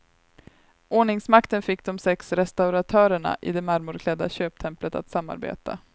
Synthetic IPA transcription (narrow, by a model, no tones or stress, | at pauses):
ʔoːɳɪŋsmakt̪ənfɪkːd̪ɔmsɛksɾɛst̪aʊɾat̪ʰœːɾəɳa̰ʔɪd̪ɛmaɾmʊɾkʰlɛd̪ːa̰ɕøːp̚t̪ʰɛmplət̪a̰t̪samːa̰ɾbḛːt̪ʰa̰